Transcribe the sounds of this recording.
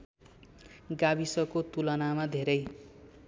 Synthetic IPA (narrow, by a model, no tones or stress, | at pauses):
ɡabisʌkot̪ulʌnamad̪ʱeɾʌj